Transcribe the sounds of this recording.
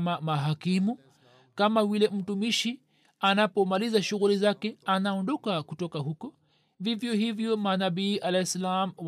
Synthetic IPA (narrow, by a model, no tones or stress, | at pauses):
mamaɦakimu | kamawilɛm̩tumiʃi | anapɔmalizaʃuɣulizakɛanaɔndɔkakutɔkaɦukɔ | vivjɔhivjɔmanabiːʔalaisalamw